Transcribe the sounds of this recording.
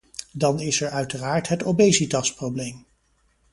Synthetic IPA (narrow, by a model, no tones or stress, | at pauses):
dɑnɪsɛɹœɥtəraːɹtɦətobejzitɑsprowblejm